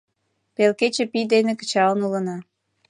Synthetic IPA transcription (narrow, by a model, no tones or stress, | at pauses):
pelket͡ɕepid̪enekə̥t͡ɕɑlənulənɑ